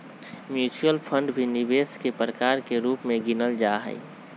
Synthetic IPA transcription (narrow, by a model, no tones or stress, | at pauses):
mjuːt͡ʃuəlpʰə̃ɳɖbʱinɪbeːskepɾəkaːɾkeɾuːpmẽɡinəld͡ʒaɦə̰i